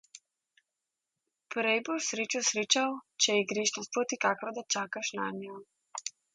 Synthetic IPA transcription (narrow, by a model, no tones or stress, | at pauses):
pɾɛjbɔʃsɾeːt͡ʃɔsɾeːt͡ʃawt͡ʃɛjɛɡɾeːʃnɔspɾot̪ikakɾɔd̪at͡ʃaːkaʃnaːmɛjɔ